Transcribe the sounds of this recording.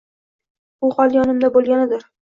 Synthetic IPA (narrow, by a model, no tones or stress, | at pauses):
bʊhɒlˠjɒnɪmd̪abolˠɡʲanɪd̪ɪɾ